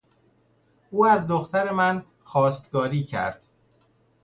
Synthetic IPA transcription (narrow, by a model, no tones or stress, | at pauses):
ʔuːæzd̪oxt̪ʰæɾe̞mæn | xɒːst̪ɡɒːɾiːcʰæ̰ɾd̪̥